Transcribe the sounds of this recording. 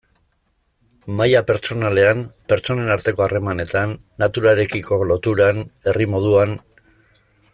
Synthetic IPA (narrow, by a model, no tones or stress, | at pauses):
majape̞ɾt͡so̞nale̞ampe̞ɾt͡ʃo̞ne̞naɾt̪e̞ko̞are̞mane̞t̪anːat̪uɾaɾe̞kiko̞lo̞t̪uɾane̞rimo̞ð̞uan